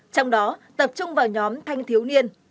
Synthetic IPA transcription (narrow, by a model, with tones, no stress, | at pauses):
t͡ɕɔ˧wŋ͡mɗɔ˨˦t̪ə˨˩p̚t͡ɕʊ˧ŋ͡mvaː˨˩ɲɔ˨˦mt̪ʰa˧jŋt̪ʰi˨˦əwni˧ən